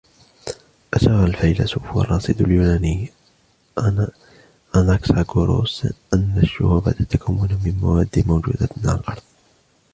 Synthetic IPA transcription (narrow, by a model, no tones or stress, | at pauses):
ʔaʃɑːɣalfajlasufwɑ̰rˤːɑːsˤɨd̪aljuːnaːniː | ʔanaksaɡuɾo̰ːsʔanːaʃːʊ̰huba̰t̪at̪ːakamːunamɪnma̰waːd̪ːimawd͡ʒṵːd̪aɪna̰lʔɑɾˤðˤ